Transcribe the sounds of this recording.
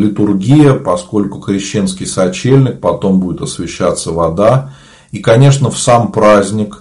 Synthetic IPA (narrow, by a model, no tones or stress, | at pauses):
lʲɪt̪ʊrɡʲijəpɐsko̞lʲkʊkɾʲɪɕːe̞nskʲɪjsɐt͡ɕelʲnʲɪk̚pɐt̪o̞mbudʲɪt̪ɐsvʲɪɕːat̪sːəvɐd̪a | ikɐnʲe̞ʂnəfsampɾazʲnʲɪk